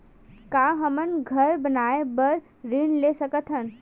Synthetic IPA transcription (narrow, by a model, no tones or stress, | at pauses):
kaɦəmənɡʱəɾbənaebəɾ | ɾinlesəkət̪ʰɦən